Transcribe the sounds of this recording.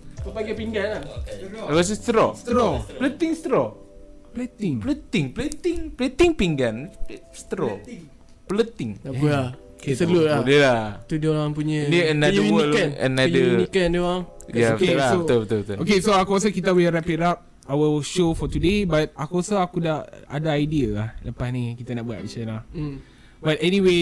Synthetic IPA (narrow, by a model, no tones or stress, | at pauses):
sapaɡɛpiŋɡan | akɔs̬ist̪ɾɔst̪ɾɔələt̪ɪŋst̪ɾɔplət̪ɪŋŋplət̪ɪŋplət̪ɪŋplət̪iŋpiŋɡanst̪ɾɔ̰ŋ | pələt̪ɪŋaula | ksəlolaulelat̪udiolaŋpuɲə̃niənaɲminilkanə̰naɲdəminikanduaŋ | jaokelsoət̪ot̪ookesoakɔs̬əkit̪əwiɾɛpiɾap̚ | awilʃofɔt̪udebat̪̚akɔsaakudaʔa̰daajdiəlahləpasnĩkit̪anaʔbua̰ʔ̚mit͡ʃãnla | bat̚ɛniwe